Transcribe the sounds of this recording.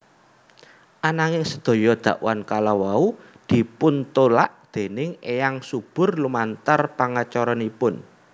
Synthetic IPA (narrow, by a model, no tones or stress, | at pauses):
ʔanaŋɪŋsəd̪̥o̤jɔd̪̥ä̤ʔwankalawau | d̪̥i̤pʊnt̪olaʔd̪̥e̤nɪŋejaŋsub̥ʊ̤rlumant̪ərpaŋat͡ʃɔɾɔnipʊn